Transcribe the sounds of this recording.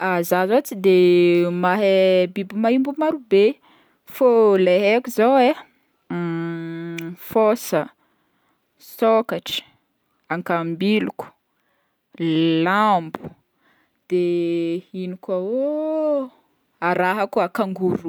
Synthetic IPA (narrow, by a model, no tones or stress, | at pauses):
azazat͡sid̪emaɦebibimaimbumaɾube | foleɦekuzawe | fosə | sokaʈ͡ʂə̥ | aŋkambiluku̥ | lambu̥ | d̪̥e | inikao | aɾaɦakuakaŋɡuɾu